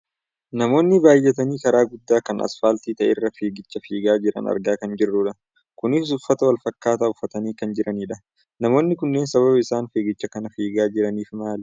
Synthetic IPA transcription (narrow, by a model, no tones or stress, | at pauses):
nɐmo̞ːnːɪbaːjːɛt̪ɐniːkɐɾaːɡʊd̪ːaːkɐnɐ̰sfaːlt̪iːt̪ɐʔɛ̰rːɐfeːɡɪt͡ʃːɐfiːɡaːd͡ʒɪɾɐ̰nɐ̰ɾɡaːkɐnd͡ʒɪrːuᶑɐ | kʊnɪfsʊfːɐt̪ɐwɐlfɐkːaːt̪aːʊfːɐt̪ɐniːkɐnd͡ʒɪɾɐniːᶑɐ | nɐmo̞ːnːɪkʊnːe̞ːnsɐβɐβɐɪsaːnfeːɡɪt͡ʃːɐkɐnɐfiːɡaːd͡ʒɪɾɐniːfmaːlɛ